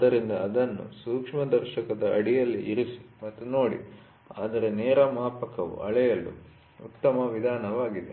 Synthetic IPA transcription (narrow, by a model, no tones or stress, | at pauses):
d̪ɐɾind̪ɐːd̪ɐnːṵsuːkʂmɐd̪ɐɾʃɐkɐd̪ɐʔɐɽijɐlːiʔiɾisi̥mɐt̪ːuno̞ːɽḭ | a̰ːd̪ɐɾe̞nɛːɾɐmaːpɐkɐʋṵʔɐ̰ɭɛjɐlːṵ | ut̪ːɐmɐʋid̪ʱaːnɐʋaːɡid̪e